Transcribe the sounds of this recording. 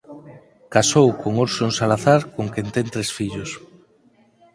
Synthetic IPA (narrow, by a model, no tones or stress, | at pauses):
kasowkoŋoɾsonsalaθaɾkoŋkent̪ẽnt̪ɾesfiʎos